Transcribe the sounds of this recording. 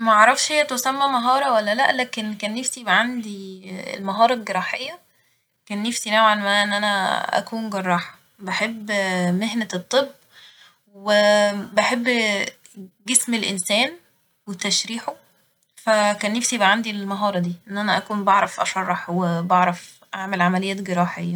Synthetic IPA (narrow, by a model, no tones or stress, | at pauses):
mæʔɑʕɾˤɑfʃhejːæt̪osæmːæmɑɦɑːɾˤɑwælːælæʔlæːkenkæːnːefsibʕand̪iḛlmɑɦɑːɾˤɑlɡeɾˤɑːħejːæ | kæːnːefsinæwʕalmæʔenːʔænæʔæ̰kuːnɡɑɾˤːɑːħɑ̥ | bæħebːmeɦnæt̪ˤːebː | webeħebː | ɡesmelʔensæːn | wet̪ːæʃɾiːħo | fækæːnːefsibʕand̪ilmɑɦɑːɾˤɑd̪iːʔenːʔænæʔækuːnbɑʕɾˤɑfʔɑʃɑrˤːɑħwebɑʕɾˤɑf | ʔaʕmelʕamælejːæːt̪ɡeɾˤɑːħejːɑ